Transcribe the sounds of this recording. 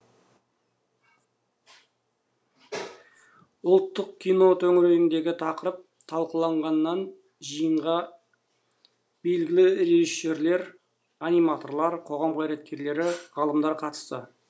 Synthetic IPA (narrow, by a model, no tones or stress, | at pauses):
ʊlˠt̪ːəq̚kʲʰijno̞t̪ʰɵŋɪɾeɡɪnd̪e̞ɡʲɪt̪ʰɑqəɾəp̚ | t̪ʰɑlˠqəlˠɑɴʁɑnːɑn | ʒijəɴʁɑ | b̥e̞lɡʲɪlɪɾe̞ʒiʃːe̞ɾle̞ɾ | anijmat̪o̞ɾlˠɑɾqʰo̞ʁɑmqʰɑjɾet̪̚kʲe̞ɾle̞ɾɪʁɑlˠəmd̪ɑɾqʰɑt̪ə̥st̪ə̰